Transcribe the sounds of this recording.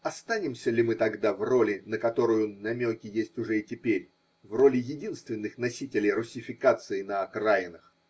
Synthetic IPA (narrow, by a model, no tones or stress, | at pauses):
ɐst̪anʲɪmsʲəlʲɪmɨt̪ɐɡd̪avro̞lʲɪnəkɐt̪o̞ɾʊjʊnɐmʲokʲɪjesʲtʲʊʐɛɪtʲɪpʲeɾʲ | vro̞lʲɪjɪdʲinst̪vʲɪnːɨxnɐsʲitʲɪlʲɪjrʊsʲːɪfʲɪkat̪sɨɪnəɐkrajɪnəx